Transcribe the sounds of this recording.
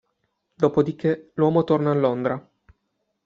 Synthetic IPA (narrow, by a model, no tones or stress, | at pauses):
d̪oːpod̪ikʰelwɔːmot̪ornaːlːond̪ɾa